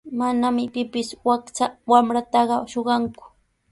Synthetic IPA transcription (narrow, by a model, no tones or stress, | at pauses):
manamɪpɪpɪswakt͡sawamɾat̪ɑɢɑʃoɢɑŋkʊ̥